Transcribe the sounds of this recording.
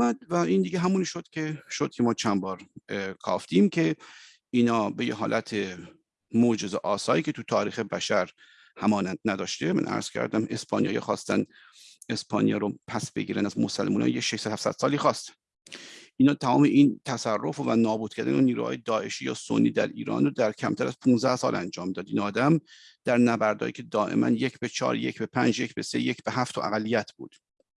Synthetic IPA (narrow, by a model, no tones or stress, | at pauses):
æd̪væind̪iːɡeɦæmuːniʃod̪̥cʲʰeʃod̪̚kʰʲemɒːt͡ʃʰænbɒːɾkʰɒ̰ːft̪imcʰe̞ | iːnɒːbe̞jeɦɒːlʔæt̪ʰe | mod͡ʒezeʔɒːsɒːɾiːcʰe̞t̪ʰut̪ʰɒːɾiːxebæʃæɾ | hæmɒːnænd̪̥næd̪ɒːʃt̪emæ̰nʔæ̰ɾz̥cʰæ̰ɾd̪æme̞spɒːnijɒ̰ːjɒ̰xɒːst̪ænd̪ | e̞spʰɒːnijɒ̰ɾopʰæsbe̞̰ɟiːɾænzmosælmuːnɒ̰ːjjeʃeʃsæd̪hæfsæ̰d̪̥sɒːliːxɒːst̪æ̥n | ʔinhɒːt̪ʰæmɒːmeʔint̪ʰæsærːo̞fvænɒːbuːd̪̥̚cʰæɾd̪æ̰noniːɾṵhɒ̰ːjed̪ɒːʔe̞ʃiːjɒ̰ːso̰nːiːd̪æɾḭːɾɒ̰ːnrod̪æɾcʰæmt̪ʰæɾæz̥pʰũːnzd̪æhsɒ̰ːlænd͡ʒɒːmd̪ɒːd̪iːnɒːd̪æmd̪̥æɾnæbæɾd̪ɒ̰ːjiːcʲʰe̞d̪ɒːʔe̞̰mʔæ̰njecʰbet͡ʃʰɒ̰ːɾjecʰbepʰænd͡ʒje̞cʰbese̞̰jecʰb̥eɦæft̪ʰoʔæ̰ɣælːijæt̪ʰb̥uːd̪̥